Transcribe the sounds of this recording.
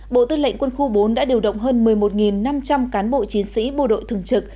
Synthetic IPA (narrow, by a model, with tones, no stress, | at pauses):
ɓo̰˧˨t̪ɨ˧lə̰˧˨ŋ̟kwə˧nxu˧ɓo˨˦nɗa̰ː˧˥ɗi˨˩əwɗə̰˧˨wŋ͡mɦəː˧nmɨ˨˩əjmo˨˩t̚ŋi˨˩nːa˧mt͡ɕa˧mkaː˨˦nɓo̰˧˨t͡ɕi˨˦nsḭ˧˥ɓo̰˧˩ɗo̰˧˨jt̪ʰɨ˨˩əŋt͡ɕɨ˨˩k̚